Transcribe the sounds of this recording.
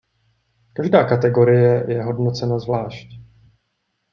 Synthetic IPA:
kaʒdaːkat̪ɛɡo̞ɾɪjɛjɛɦo̞dno̞t͡sɛnazvlaːʃc

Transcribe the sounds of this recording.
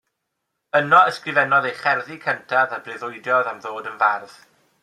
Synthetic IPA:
ənɔəskrɪvɛnɔðejχɛrðikʰəntʰaðabrɪðʊɨdjɔðamðoːdənvarð̥

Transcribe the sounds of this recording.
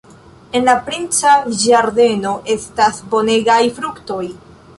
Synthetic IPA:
e̞nlapɾint͡saiʒaɾde̞no̞ʔe̞stasbo̞ne̞ɡajfɾukto̞j

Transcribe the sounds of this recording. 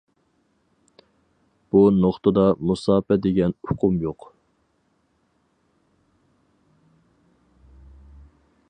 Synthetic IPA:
b̥unoχt̪ʰəd̪ɑmusɑːpɛd̪eɡʲɛnʊqʰʊmjoq

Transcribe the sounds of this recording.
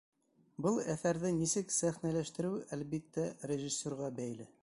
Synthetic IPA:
bɤlˠæθæɾðɘnisɘksæχnælæʃt̪ɘ̆ɾɘwælβit̪ːærʲeʒisʲːoɾʁɑbæjlɘ

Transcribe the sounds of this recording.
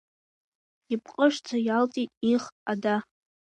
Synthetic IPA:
ip̚ʰʼqʼəʂt͡sʰajaltʼitʼiχada

